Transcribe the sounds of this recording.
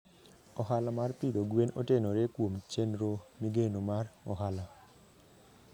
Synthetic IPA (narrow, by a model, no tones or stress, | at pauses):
ɔɦalamarpiɾoɡwenɔtenoɾekwomt͡ʃenɾomiɡenomarɔɦala